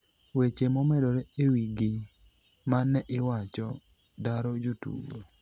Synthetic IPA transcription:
wet͡ʃemɔmɛdɔɾɛewiɡɪ | manɛʔɪwat͡ʃɔ | daɾɔd͡ʒotṵbo

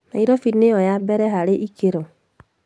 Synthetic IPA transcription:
naiɾɔfinejɔjabɛɾɛɦaɾeʔikeɾo

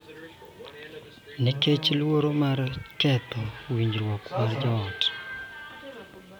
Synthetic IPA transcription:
niket͡ʃlwoɾomart͡ʃkɛt̪ɔwiɲd͡ʒɾwɔkwaɾd͡ʒɔːt

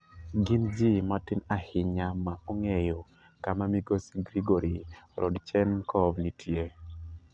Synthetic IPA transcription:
ɡɪnd͡ʒimatɪnahɪɲamaoŋɛjo | kamamiɡosiɡɾiɡoɾiɾɔ̰dt͡ʃɛnkʰɔvnitje

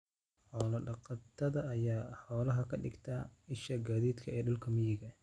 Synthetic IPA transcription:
ħɔːlɐɖɑqɑt̪ʰɐðɐːjaːħɔːlɐɦɐkʰɐɖɪ̰ɡt̪ʰɐɪʃɐɡaːðiːd̪kʰɐɛːɖʊlkʰɐmɪjɪɣɐ

